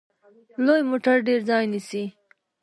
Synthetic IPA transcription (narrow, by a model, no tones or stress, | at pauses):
lojmoʈaɾɖeɾd͡zɑjnisi